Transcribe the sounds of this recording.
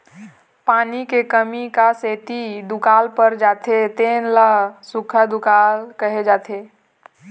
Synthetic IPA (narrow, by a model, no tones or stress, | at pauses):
paːnikekəmikaseːt̪id̪ʊkaːlpəɾd͡ʒaːt̪ʰet̪eːnlasʊkʰəd̪ʊkaːlkəɦed͡ʒaːt̪ʰeː